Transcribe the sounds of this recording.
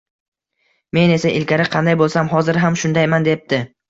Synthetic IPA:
me̞ne̞saʔɪlkʲaɾɪqʰɑnd̪ajbolˠsamɦɒzɪɾɦamʃʊnd̪ajmand̪e̞p̚d̪ɪ

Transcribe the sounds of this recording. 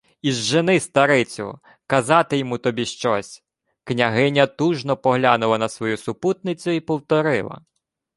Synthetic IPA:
izʒenɪst̪ɐɾɪt͡sʲʊ̰ | kɐzɑt̪ɪjɔmut̪ɔbʲiʃt͡ʃɔsʲ | knʲɐɦɪnʲɐt̪uʒnɔpɔɦlʲanʊlˠɐnɐsʋɔjusʊput̪̚nɪt͡sʲʊipɔwt̪ɔɾɪ̰lˠɐ̰

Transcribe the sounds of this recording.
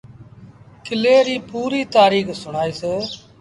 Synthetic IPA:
kʰɪleːɾiːpuːɾiːt̪aːɾiːkʰsʊɳ̃aːiːseː

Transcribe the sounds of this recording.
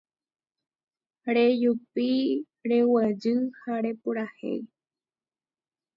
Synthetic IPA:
ɾejupi | ɾe̞wəd͡ʒɨhaɾe̞puɾahḛj

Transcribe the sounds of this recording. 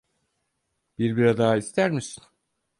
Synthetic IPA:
b̥iɾbiɾad̪aːist̪ʰæɾmisi̥n

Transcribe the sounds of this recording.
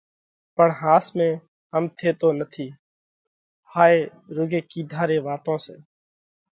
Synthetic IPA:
pəɳɦãːsmẽː | ɦəmt̪ʰeːt̪oːnət̪ʰiː | haːeːɾʊɡeːkiːd̪ʱaːɾeːʋaːt̪õːseː

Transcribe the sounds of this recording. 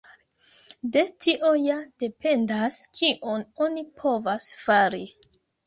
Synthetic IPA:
de̞tʰiʔo̞jad̥e̞pe̞ndaskʰiʔo̞no̞nipʰo̞vasfaɾi

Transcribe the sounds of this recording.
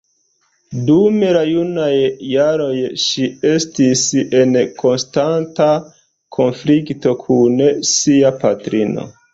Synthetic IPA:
dumeɾajunajːaɾo̞jʃie̞stise̞nkʰo̞nstanta | kʰo̞nflikto̞kʰunsiapatɾino̞̰

